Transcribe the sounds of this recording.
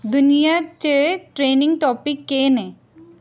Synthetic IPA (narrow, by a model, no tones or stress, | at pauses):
d̪ʊnijat͡ʃeʈɾeːnɪ̃ŋɡʈɔːpɪkːeːnẽː